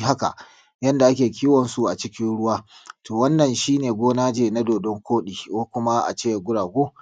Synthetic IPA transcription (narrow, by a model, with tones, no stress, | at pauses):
ɦa˦ka̰˨ʔ | jɐ˦nda˨ʔa˦kʲeː˨kʲiː˦wɐ˨nsu˨ʔa˨t͡ʃɪ˦kʲɪ˦nɽʊ˦waː˦toː˨wɐ˦nːɐ˨nʃiː˦neː˨ɡʷoː˦naː˦d͡ʒeː˨na˦doː˨dɔ˦ŋkʷoː˦ɗiː˨koː˦kʷʊ˦ma˦ʔa̰˨t͡ʃeː˦ja˨ɡʷʊ˦ɽaː˨ɡʷoː˦